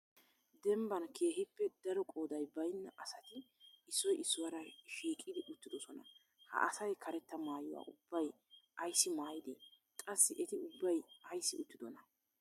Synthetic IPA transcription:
d̪ɛmbɐnkʰe̞ːhɪpːɛd̪̥ɐɾɔkʼo̞ːd̪ɐjbɐjnːɐʔɐsɐt̪ɪ | ɪsːɔjʔɪsːɔwɐɾɐʃiːkʼːɪd̪ɪʔʊt̪ːɪd̪ɔsɔnɐ̰ | hɐ̰ʔɐsɐjkʰɐɾɛt̪ːɐmaːjɔwa̰ːʔʊbːɐj | ɐjsːɪmaːjɪd̪ɪ | kʼɐsːɪʔɛt̪ɪʊbːɐjɐjsːɪʊt̪ːɪd̪ɔnɐ

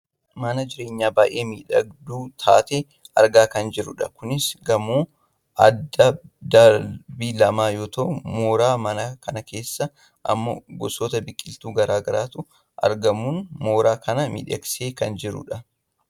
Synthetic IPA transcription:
mɐnɐd͡ʒɪɾe̞ːɲːaːbaːʔe̞ːmiːᶑɐɡd̪uːt̪ʰa̰ːt̪e | ʔɐɾɡaːkɐnd͡ʒɪɾʊ̰ᶑɐkʊnɪsɡɐmuː | ʔɐd̪ːɐd̪ɐbiːlɐmaːjoːt̪ʰɐʊmo̞ːɾaːmɐnɐkɐnɐke̞ːsːɐ | ʔɐ̰mːo̰ːɡɔsoːt̪ɐbɪkʼːɪlt̪uːɡɐɾaːɡɐɾaːt̪ʊ | ʔɐ̰ɾɡɐmuːnmo̞ːɾaːkʰɐnɐmḭᶑɐ̰kseːkɐnd͡ʒɪɾʊ̰ᶑɐ

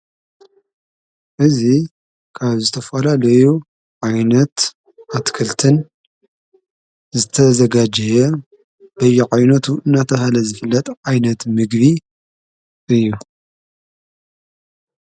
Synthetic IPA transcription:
ʔɨzi | kʰaβzɨt̪ʰɐfɐlalɐju | ʕajnɐt̪ | ʔat̪kʰɐlt̪ʰɨn | zɨt̪ʰɐzɐɡad͡ʒɐjɛ | b̥ɐjuʕajnɐt̪ʰuʔɨnːat̪ʰɐɦalɐzɨfɨlːɐt̪ʼʕajnɐt̪mɨɡβi | ʔɨjːu

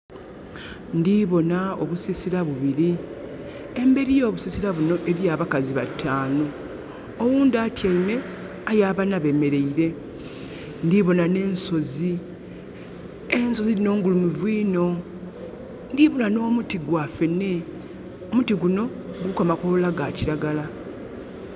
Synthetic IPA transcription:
ndiβo̞naoβusisiɾaβuβiɾi | embe̞ɾijo̞ːβusisiɾaβuno̞ʔe̞ɾijaβakaziβatʰːaːno̞ː | wuːndatjaine̞ | ajaːβanaβe̞me̞ɾe̞iɾe̞ | ndiβo̞nane̞ːnso̞zi | enso̞ziino̞ːŋɡulumuvwiːno̞ | ndiβo̞nano̞ːmutiɡwafe̞ne | omutiɡuno̞ | ɡukamakolaɡaciɾaɡala

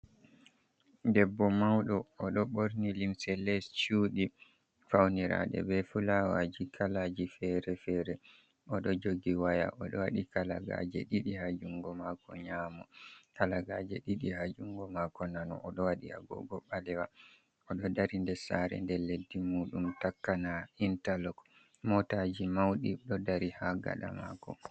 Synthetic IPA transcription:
dɛbːɔmawɗɔːɗɔɓoɾnilimsɛlɛst͡ʃuːɗi | fawniɾa̰ɗɛ̰bɛfulawad͡ʒikʰalad͡ʒifɛɾɛfɛɾɛ | ɔɗɔd͡ʒoɡiwaja̰ʔɔɗɔwaɗikala̰ɡa̰d͡ʒɛ̰ɗiɗihad͡ʒuŋɡɔmakɔ̰ɲaːmɔkalaɡad͡ʒɛɗiɗihad͡ʒuŋɡɔmakɔnanɔ̰ʔɔɗɔwaɗia̰ɡɔ̰ɡɔɓalɛwa | ɔɗɔdaɾindɛsaɾɛ̰ndɛledːimuːɗumtakːanaintalɔk | mɔtad͡ʒimawɗiɗɔdaɾihaɡa̰ɗa̰ma̰kɔ̰

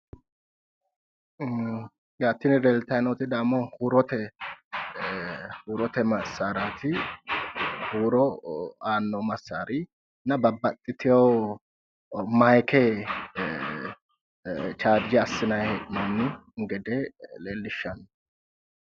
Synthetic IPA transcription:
jaːt̪ːɪnɪɾɛlt̪ɐjnɔt̪ɪd̪aːmːɔhuːɾɔt̪ɛ | huːɾɔt̪ɛmɐsːaːɾaːt̪ɪ | huːɾɔaːnːɔmɐsːaːɾɪ | nɐbɐbːɐt̪ʼːɪt̪ɪjo | mɐjkʰɛ | t͡ʃaːɾd͡ʒɪɐsːɪnɐjɛʔɪnɐnːɪŋɡɛd̪eleːlːɪʃːɐnː

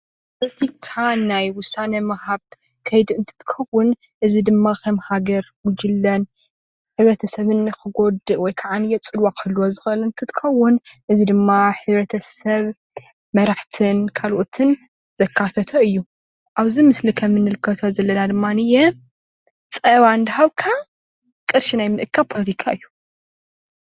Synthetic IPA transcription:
ppʰolot̪ʰikʰanajwʊsanɐmɐhaβ | kʰɐjd̪ɨnt̪ʰɨ̥t̪ʰɨ̥kʰɐwːʊn | ʔɨzid̪ɨmːakʰɐmhaɡɐɾwʊd͡ʒɨlːɐn | ħɨβɾɐt̪ʰɐsɐβɨnːɨxɨɡo̞d̪ɨʔwɔjkʰaʕanɨjɛt͡sʼɨlwakʰɐlːuwozɨxɐlɨnt̪ʰɨt̪ʰɨ̥xɐwːʊnʔɨzid̪ɨmːaħɨβɾɐt̪ʰɐsɐβ | mɐɾaħt̪ʰɨnkʰalʔot̪ʰɨn | z̥ɐkʰːat̪ʰɐt̪ʰoɨjːu | ʔaβzimɨslikʰɐmɨnːɨlɨkʰːɐt̪ʰozɐlːɐnad̪ɨmːanɨjɛ | t͡sʼɐβand̪ɨɦaβkʰa | kʼɨɾʃinajmɨʔɨkʰːapʰolɐt̪ʰikʰaɨjːu

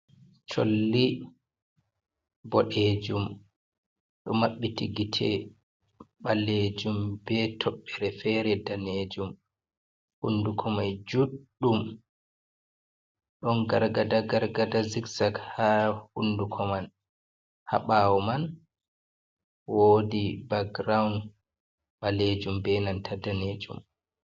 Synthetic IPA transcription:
t͡ʃo̰lːi | bɔɗed͡ʒum | ɗɔmaɓːitiɡitʰɛ̰ | ɓalːed͡ʒumbɛtʰɔɓːɛɾɛfɛɾɛdaned͡ʒum | hṵndukʰɔmajd͡ʒuɗːum | ɗɔnɡaɾɡadaɡaɾɡadaziksakhahundukʰɔman | ha̰ɓawɔman | woːdibaɡ̚ɾawn | ɓaled͡ʒumbɛnantʰadaneːd͡ʒṵm

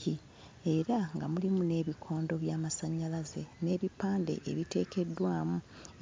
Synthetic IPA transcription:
i | e̞ɾaŋɡamulimune̞ːβikʰo̞ːndo̞βjaːmasaɲːalaze̞ne̞ːβipːaːnde̞̰ʔḛβite̞ːke̞dːwaːmu

